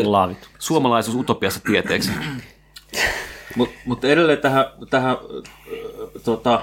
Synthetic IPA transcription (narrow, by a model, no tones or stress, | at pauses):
lɑːʋit̪suomɑlɑisuːsut̪opiɑsːɑt̪iet̪eːks | mumut̪eɾelːeːt̪æhæt̪æhæ | t̪ot̪ɑ